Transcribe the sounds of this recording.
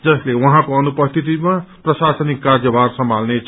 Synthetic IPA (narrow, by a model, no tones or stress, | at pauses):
d͡zʌslewʌɦãkoʌnupʌst̪ʰit̪imaprʌsasʌnikːard͡zjʌbʱarsʌmbʱalnet͡sʰ